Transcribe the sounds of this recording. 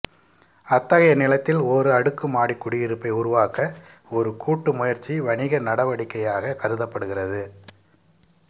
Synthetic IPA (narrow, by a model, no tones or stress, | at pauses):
ɐt̪ːɐɣɐjɐnɪlɐt̪ːɪloɾɯɐɽɯkːɯmaːɽikːʊɽɪjɪɾɯpːɐɪʊɾʊʋaːkɐ | ɔɾɯkʰuːʈːɯmʊjɐɾt͡ʃːiʋɐɳɪɣɐnɐɽɐʋɐɽɪkːɐjaːɣɐkɐɾɯðɐpːɐɽɯɣɪrɐðɯ